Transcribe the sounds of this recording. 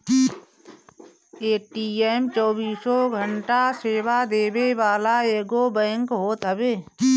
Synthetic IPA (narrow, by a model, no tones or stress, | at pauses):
eːʈiːeːmt͡ʃɔːbiːsoɡʱəɳʈaseːʋad̪eːbeʋaːlaeːɡobɛ̃ːŋkɦoːt̪ɦəbeː